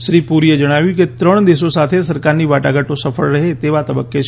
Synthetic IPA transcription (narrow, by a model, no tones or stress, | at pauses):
ʃɾiːpuɾied͡ʒəɽ̃aːʋjũket̪ɾəɳ̃d̪eːsõsaːt̪ʰesɐɾkaːɾniʋaːʈaɡəʈõsəfʰəɭɾɐɦet̪eːʋat̪əbəkːe